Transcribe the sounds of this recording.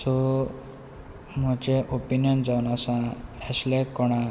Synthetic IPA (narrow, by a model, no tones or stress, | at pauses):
sɔ | m̤ɔd͡ʑeʔopinjɔnd͡zawunasãəslekɔɽ̃a